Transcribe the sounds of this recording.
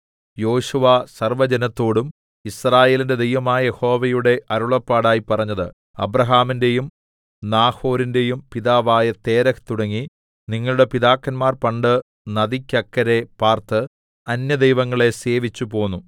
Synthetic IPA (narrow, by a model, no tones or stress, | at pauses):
jo̞ːʂuʋasɐrʋɐd͡ʑɐnɐt̪ːo̞ːɽum | israːje̞ːlinde̞d̪ejʋɐmaːjɐjeho̞ːʋɐjuɽe̞ʔʔɐɾuɭɐpːaːɽaːjipɐrɐɲːɐðɨ | ɐ̰brɐɦaːminde̞jum | naːho̞ːɾinde̞jumpiðaːʋaːjɐt̪e̞ːɾɐkt̪uɽɐŋːi | niŋːɐɭuɽe̞piðaːkːɐnmaːrpɐɳɖɨ | nɐðikʲːɐkːɐɾe̞paːrt̪ɨ | ɐnjɐd̪ejʋɐŋːɐɭe̞se̞ːʋit͡ɕːupo̞ːnːu